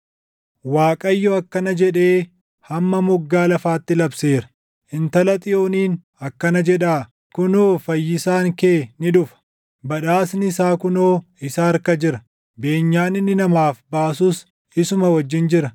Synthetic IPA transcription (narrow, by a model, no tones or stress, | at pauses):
waːkʼɐjːoɐkːɐnɐd͡ʒɛᶑe̞ː | hɐmːɐmʊɡːaːlɐfaːt̪ːɪlɐbse̞ːɾɐ̥ | ɪnt̪ɐlɐt̪ʼɪjoːniːn | ɐkːɐnɐd͡ʒɛᶑaː | kkʊnoːfɐjːɪsaːŋkeːnɪᶑʊfɐ̥ | bɐᶑaːsnɪɪsaːkʊnoː | ɪsaːɾkɐd͡ʒɪɾɐ | be̞ːɲːaːnɪnːɪnɐmaːfbaːsʊːs | ɪsʊmɐwɐd͡ʒːɪnd͡ʒɪɾɐ